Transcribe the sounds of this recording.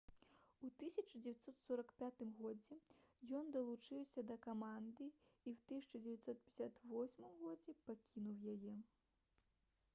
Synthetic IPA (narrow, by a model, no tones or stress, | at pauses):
ut̪ɨsʲɐt͡ʂɐd͡zʲɛvʲat̪sɔt̪sɔɾɐkpʲat̪ɨmɣɔd͡zʲɛjɔnd̪ɐlˠut͡ʂɨwsʲɐd̪ɐkamand̪ɨiwt̪ɨsʲɐ̥t͡ʂɐd͡zʲɛvʲat̪sɔt̪̚pʲɛ̥isʲat̪vɔsʲmɨmɣɔd͡zʲɛpakʲinuwjajɛ